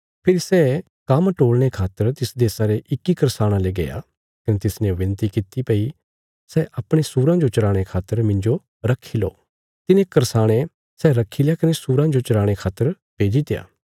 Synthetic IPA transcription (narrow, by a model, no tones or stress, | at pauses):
pʰɪɾisɛː | kɐmʈoːɽɽ̃ekʰaːt̪əɾt̪ɪsd̪esaɾeʔɪkːikɐɾsaːɽ̃ãleɡɐja̰ː | kɐnet̪ɪsnẽʋɪ̃nt̪ikit̪ipɐi | sɛːʔɐpɽ̃esuːɾãd͡ʒot͡ʃɐɾaːɽ̃ekʰaːt̪ːəɾmɪ̃ɲd͡ʒo | ɾɐkʰːilo̰ː | t̪ɪnẽkɐɾsaːɽ̃e | sɛːɾɐkʰːilejakɐnesuːɾãd͡ʒot͡ʃɐɾaːɽ̃ekʰaːt̪ːəɾ | peːd͡ʒit̪eja̰ː